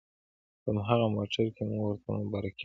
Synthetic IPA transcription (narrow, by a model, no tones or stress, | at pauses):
pəmɦaɣamɑʈaɾkemuŋɡwəɾt̪amʊbɑɾak